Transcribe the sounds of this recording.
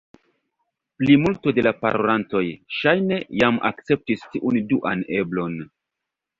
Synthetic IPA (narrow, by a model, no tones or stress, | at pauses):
plimultode̞lapa̰ɾolanto̞jʃajne̞jamʔa̰kt͡se̞p̚tistiʔunduʔa̰ne̞blo̞n